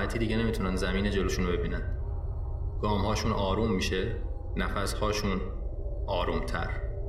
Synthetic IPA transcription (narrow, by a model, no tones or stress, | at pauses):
æt̪ʰiːd̪iːɟe̞ne̞miːt̪ʰunænd̪zæmiːne̞d͡ʒe̞loːʃuːnobe̞biːnæn | ɡ̥ɒːmhɒːʃuːnʔɒːɾuːmːiːʃe | næfæshɒːʃuːn | ʔɒːɾuːmt̪ʰæ̰ɾ